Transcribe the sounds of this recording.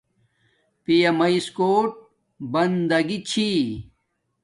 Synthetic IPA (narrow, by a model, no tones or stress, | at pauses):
pijɐmɐiskoːʈ̚ | bɐnd̪ɐɡit͡ɕʰi